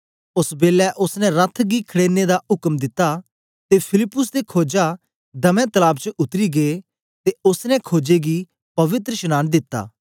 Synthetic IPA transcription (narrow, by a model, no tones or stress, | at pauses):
ʊsbeːlɛʔʊsnɛ̃ɾɐt̪ʰɡikʰɐɽeːned̪aʊkəmd̪ɪt̪ːa | t̪epʰɪlɪpːʊs̬d̪ekʰoːd͡ʒa | d̪ɐmɛ̃t̪ɐlaːbt͡ʃʊt̪ɾiɡeː | t̪eʊsnɛ̃kʰoːd͡ʒeɡi | pɐʋɪt̪ɾəʃɐnaːnd̪ɪt̪ːa̰ː